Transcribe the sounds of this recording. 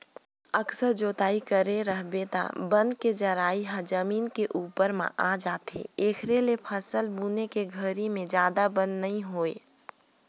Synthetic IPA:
əksəɾd͡ʒoːt̪aːikəɾeɾəɦbet̪a̰bə̃nd̪ked͡ʒəɾaːiɦãd͡ʒəmiːnkeʔuːpəɾmã̰ʔaːd͡ʒaːt̪ḛeːkʰɾelepʰəsəlbuːnekeɡʱəɾimẽd͡ʒjaːd̪abə̃nd̪nɐɦĩɦoːḛː

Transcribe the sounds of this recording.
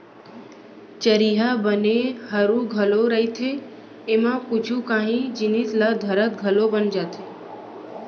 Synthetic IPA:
t͡ʃəɾiːɦabənehəɾũɡʱəloɾəɦit̪ʰe | emãkʊt͡ʃʰũkãːɦĩd͡ʒɪnit̪lad̪ʱəɾət̪̚ɡʱəlobənd͡ʒaːt̪ʰeː

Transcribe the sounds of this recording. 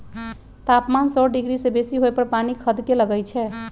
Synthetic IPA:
t̪apmansɔɖiɡɾisebesiɦojpəɾpanikʰəd̪keləɡəjt͡ʃʰɛ

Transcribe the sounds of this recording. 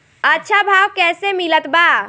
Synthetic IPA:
ətːʃʰabʱaʋkɛːsemilət̪ba

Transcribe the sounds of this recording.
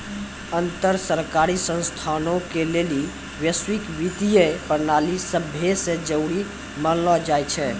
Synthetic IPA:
ənt̪əɾsəɾkaɾisə̃nst̪ʰanõkeleli | wjəswikʋit̪ijəpəɾnalisəbʱjəsẽd͡ʒəʊɽi | mənlɔd͡ʒajt͡ʃʰɛ

